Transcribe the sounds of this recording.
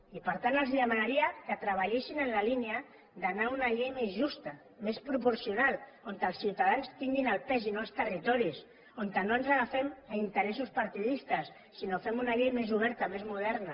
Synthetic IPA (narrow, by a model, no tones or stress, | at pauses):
ipəɾt̪anəlzðəmanaɾiakət̪ɾəβaʎesinənlalinea | ðanaunaʎejmezʒust̪a | mespɾupuɾsiunal | ont̪əlˠsːiwt̪að̞anst̪iŋɡinalpɛzinoalst̪ərit̪ɔɾis | ont̪ənoanzaɣafɛmaint̪əɾɛsuspaɾt̪iðist̪əsːinofemunaʎejmezuβ̞ɛɾt̪amezmuð̞ɛɾna